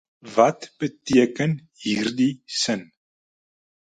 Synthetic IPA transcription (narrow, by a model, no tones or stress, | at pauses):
vɐtb̥ətiəkənɦiːrdisən